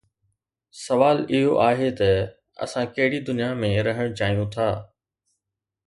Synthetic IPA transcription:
sɐʋaːlɪɦoʔaːɦet̪ɐ | ɐ̰sãkɐɦɪɽid̪ʊnijamẽɾɐɦəɽ̃t͡ɕaːɦijũt̪ʰaː

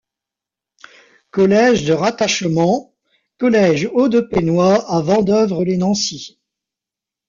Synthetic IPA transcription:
kɔlɛʒd̪əʁat̪aʃmɑ̃ | kɔlɛʒod̪əpenwaavɑ̃d̪œvʁəlenɑ̃si

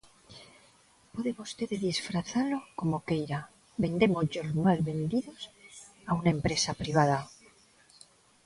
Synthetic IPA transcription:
pweðeβost̪eðeðisfɾaθalo̞ko̞mo̞kejɾa | βe̞nd̪e̞moʝo̞zmalβe̞nd̪iðo̞s | aunae̞mpɾe̞sapɾiβ̞að̞a

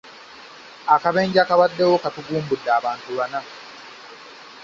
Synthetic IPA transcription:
akaβeːɲɟakaβadːewokatuɡuːmbudːaːβaːntuβana

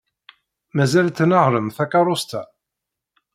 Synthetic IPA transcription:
mæzælt̪ːnəʁɾəmθækːɑɾˤʊst̪æ

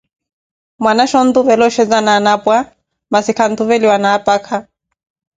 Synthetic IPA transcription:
mwanaʃɔn̩d̪uvɛlɔʃɛd͡zananapʼwa | masikʰan̩d̪uvɛliwanaːpʼakʰa

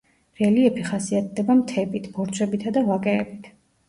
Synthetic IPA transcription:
ɾɛliɛpʰiχasiat̪̚ʰd̪ɛbamt̪ʰɛbit̪ʰb̥ɔɾt̪t͡ʃʰʼɛbit̪ʰad̪avwakʼɛːbit̪ʰ

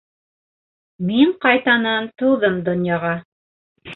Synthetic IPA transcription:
miɴqɑjt̪ɑnɑnt̪ɤ̆wðɤmd̪ŏnjɑʁɑ

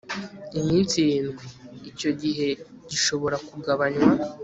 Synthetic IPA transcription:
imiːnsijiːnɡwiːco̞ɟiɦe̞ɟiʃo̞βo̞ɾakuɡaβaɲwa

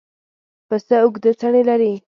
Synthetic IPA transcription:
pəsəʊɡd̪ət͡saɳelaɾi

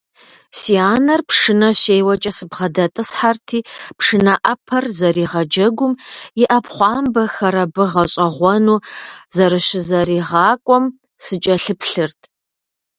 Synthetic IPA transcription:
siaːnɐrpʰʂɨnɐɕeːjwɐt͡ʃʼɐsɨbʁɐdɐtʼɨsħartʰiːpʰʂɨnɐʔɐpʰɐrzɐriːʁɐd͡ʒɐɡʷʊmɪʔɐpχʷɑːmbɐxɐɾɐbɨʁɐɕʼɐʁʷɔnuːzɐɾɨɕɪzɐɾiːʁɑːkʷʼɔm | sɨt͡ʃʼɐɬɨpʰɬɨrtʰʼ

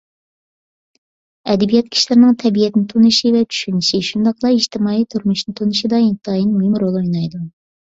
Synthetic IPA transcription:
ɛd̪ɛbijɛt̪̚kʲʰi̥ʃlɪɾnɪŋt̪ʰɛbijɛt̪nɪt̪ʰunɨʃivɛt͡ʃ̪ʰy̥ʃynɪʃiʃund̪ɑqlˠɑiʃt̪ɪmɑːit̪ʰuɾmuʃnɨt̪ʰunɨʃid̪ɑint̪ʰɑjinmuɦɪmɾolˠojnɑjd̪u

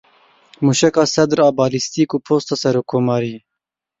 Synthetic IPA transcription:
muːʃɛkɑːsɛd̪ɾɑːbɑːlist̪ikuːpʰoːst̪ɑːsɛɾoːkʰːoːmɑːɾi

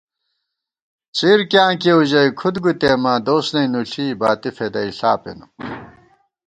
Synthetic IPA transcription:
t͡siːɾkjãːkeuʑɐikʰud̪ɡut̪eːmad̪oːsnɐinuɬʰiːbaːt̪ifed̪ɐiɬaːpḛnu

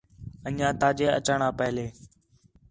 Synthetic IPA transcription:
ənãːt̪aːd͡ʒeːə̰t͡ʃaːɳãːpəɦleː

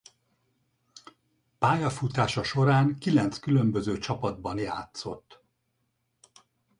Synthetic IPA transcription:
paːjɒfut̪aːʃɒʃo̞ɾaːŋkilɛnt̪skylømbø̞zøːt͡ʃɒpɒd̪̚bɒnjaːt̪so̞̰t̪ː

